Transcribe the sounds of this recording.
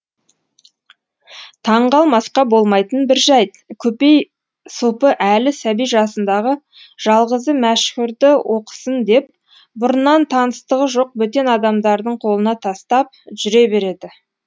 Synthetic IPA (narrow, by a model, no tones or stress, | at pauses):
t̪ʰɑɴʁɑlˠmɑsqɑbo̞lˠmɑjt̪ənbɪɾʒɑj | kʲʰɵpe̞j | supəʔælɪsæbijʒɑsənd̪ɑʁə | ʒ̥ɑlˠʁəzəmæʃkʲɪɾd̪ɪwʔo̞qə̥sənd̪e̞p̚ | bʊɾənɑnt̪ʰɑnəst̪əʁəʒo̞q̚bɵt̪e̞nɑd̪ɑmd̪ɑɾd̪əɴqʰo̞lˠənɑt̪ʰɑst̪ɑp̚ʒʏɾe̞be̞ɾe̞d̪ɪ